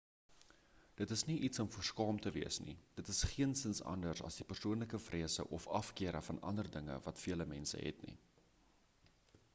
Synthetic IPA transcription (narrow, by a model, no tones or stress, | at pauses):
d̥ətəsniʔitsɔmfuərskɑːmtəviəsnḭd̥ətəsχiənsənsɐ̰ndərsɐ̰sdipərsuənləkəfrʔiəsə̰ʔɔfɐfkiəɾəfɐnɐ̰ndərdəŋə̰vɐtfiələmɛnsə̰ɦɛ̰tnḭ